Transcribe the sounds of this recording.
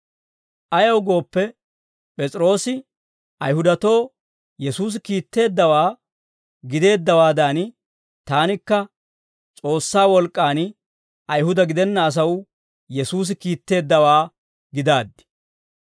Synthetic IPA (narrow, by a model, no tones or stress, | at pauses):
ʔɐjɐwɡo̞ːpːɛ | pʼɛt͡sʼɪɾo̞ːsɪ | ʔɐjɦʊd̪ɐt̪o̞ː | jɛsuːs̬ɪkiːt̪ːe̞ːd̪ːɐwaː | ɡɪd̪e̞ːd̪ːɐwaːd̪an | t̪aːnɪkːɐ | t͡sʼo̞ːsːaːwɔlkʼːaːn | ʔɐjɦʊd̪ɐɡɪd̪ɛnːɐːs̬ɐw | jɛsuːs̬ɪkiːt̪ːe̞ːd̪ːɐwaː | ɡɪd̪aːd̪ːɪ̥